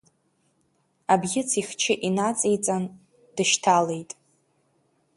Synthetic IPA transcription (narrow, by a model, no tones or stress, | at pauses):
abɡʲɪt͡sʰiχʲt͡ʃʰɪʔinat͡sʼejt͡sʼan | dɨʃtʰale̞jtʼ